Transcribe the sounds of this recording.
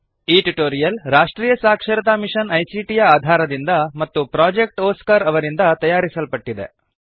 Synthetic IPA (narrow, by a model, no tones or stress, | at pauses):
iːʈuʈoːɾijɐlɾaːʂʈɾiːjɐsaːkʂɐɾɐt̪aːmiʂɐnɐjsiːʈijɐaːd̪ʱaːɾɐd̪ind̪ɐmɐt̪ːupɾaːd͡ʒek̚ʈoːskɐɾɐʋɐɾind̪ɐt̪ɐjaːɾisɐlpɐʈːid̪e̞̰